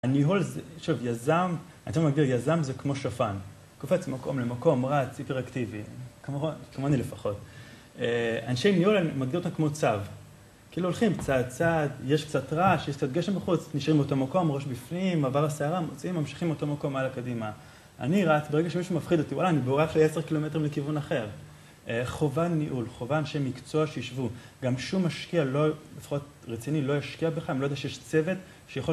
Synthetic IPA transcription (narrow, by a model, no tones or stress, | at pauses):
aniɦolzeʃuvjazam | ant͡savmaɡ̚diʁjazamzekmo̞ʃafan | kofet͡smako̞̰mlemako̞mʁat͡sipeʁaktivikmokmoanilefaχo̞t | eanʃejniolamaɡdiʁot̪amkmo̞t͡sav | kiiluolχimkt͡sad̚t͡sad̪je̞ʃk̚t͡satʁaʃjekt͡sad̪̚ɡeʃembaχut͡sniʃʁimbeotomako̞mʁo̞ʃbifnimːavaʁaseaʁamot͡simːamʃi̥χimotomako̞malakadima | a̰niʁat͡sbeʁeɡaʃemiʃumafχid̪otiwalaːniboʁeaχleeseʁkilo̞me̞tʁimlekivunaχe̞ʁ | χovannːiʔulχo̞vanʃemːikt͡so̞aʃejiʃvu | ɡamʃumːaʃkialo̞lefḁχo̞t̚ | ʁet͡sinilo̞jaʃkiabeχaimlodaʃejeʃt͡se̞ve̞t | ʃejaχo